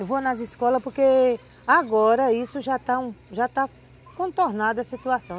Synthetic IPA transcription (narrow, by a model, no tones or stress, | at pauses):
vonɐziskɔlɐspoɾke | aɡɔɾɐisʊʒat̪aũʒat̪a | kõt̪oɾnad̪ɐsit̪uasɐ̃w̃